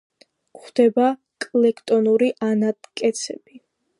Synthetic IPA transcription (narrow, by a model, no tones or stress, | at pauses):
kχd̪̥ɛba | kʼlɛkʰt̪ʼɔnuɾiʔanad̪kʼɛt̪sʰɛ̰b̥i